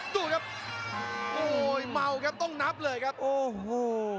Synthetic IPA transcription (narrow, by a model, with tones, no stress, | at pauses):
d̪uː˧˩kʰa˦˥p̚ | ʔoː˧˩jma˧˩wkʰa˦˥p̚t̪ɔ˥˩ŋna˦˥p̚lɤː˧jkʰa˦˥p̚ʔoː˧˩˧